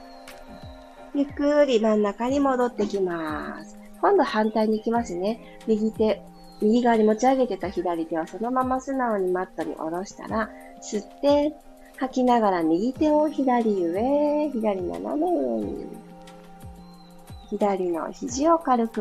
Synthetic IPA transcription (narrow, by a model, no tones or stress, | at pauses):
jɯ̟kːɯ̟ɾʲimãnːakaɲ̟imo̞d̪o̞t̪ːe̞kʲimasɨ̥ | kõ̞nd̪o̞hãnt̪aiɲ̟iːkʲimasɨne̞ | mʲiɡʲit̪e̞ | mʲiɡʲiɡaaɲʲimo̞t͡ɕiaɡe̞t̪e̞t̪açid̪aɾʲit̪e̞βaso̞no̞mamasɨnao̞ɲ̟imat̪ːo̞ɲ̟ḭʔo̞̰ɾo̞ɕi̥t̪a̰ɾa | sɨt̪ːe̞ | hakʲinaɡaɾamʲiɡʲit̪e̞oçid̪aɾʲiɯ̟eçid̪aɾʲino̰na̰mejoɲ̟ḭ | çid̪aɾʲino̞̰çiʑio̞kaɾɯ̟kɯ